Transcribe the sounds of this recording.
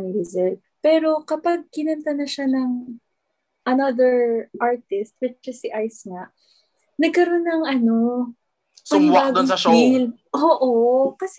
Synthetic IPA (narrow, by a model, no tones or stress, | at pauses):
mɪɾɪzɛɹt̚ | pɛɾo̞kɐpɐɡ̚kɪnɐnt̪ɐnɐʃanɐŋ | ʔɐnɐd̪ɛɹʔaɹt̪ɪst̪̚wɪt͡ʃɐsiʔajsŋɐ | nɐɡ̚kɐɾo̞nːɐŋʔɐno̞ | pɐnɪbaːɡɪŋil | ʔoːʔokɐs